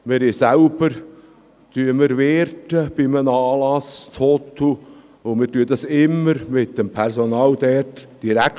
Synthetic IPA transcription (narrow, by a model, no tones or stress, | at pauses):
mɪɾɪsælb̥əɾ | t̪yəməɾveːɾtəb̥ɪmənɑːlɑst͡shɔt̪ʰu | omɪtyːəd̪ɑsɪmːəɾmɪt̚dɛmpʰɛɾsonɑːld̥̪ɛtd̥iɾæk